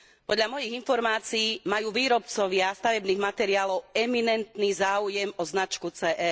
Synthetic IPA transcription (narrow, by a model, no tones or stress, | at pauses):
pɔd̪ʎamɔjiɣinfɔɾmaːt͡siiːmajuːʋiːɾɔpt͡sɔʋɪast̪aʋɛbniːɣmat̪ɛɾiaːlɔʊɛminɛnt̪niːzaːujɛmɔznat͡ʃkut͡sɛːʔɛ